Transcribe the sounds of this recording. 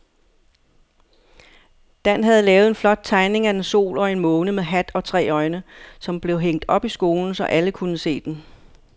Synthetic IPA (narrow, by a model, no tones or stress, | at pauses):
d̥æn̰ɦæð̞̩ˠlɛːʊð̞̩ˠe̝nflɒ̽d̥̚t͡sʰɑ̈ɪne̝ŋæd̥enso̝̰ːlɒ̽e̝nmɔ̽ːnəmeɦæd̥ɒ̽t͡sʰʁɛ̰ːɒ̽ɪnəsɒ̽mb̥le̝ʊɦeŋ̰d̥ɒ̽b̥isɡ̥o̝ːln̩sɒ̽ʔæləkʰunəse̝̰ːd̥en